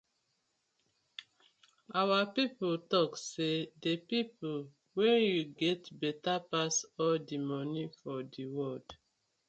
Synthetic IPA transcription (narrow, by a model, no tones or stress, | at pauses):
awapipoltɔksedepipol | wɛnjuɡɛtbɛtapasɔldimɔnifɔdiwɔld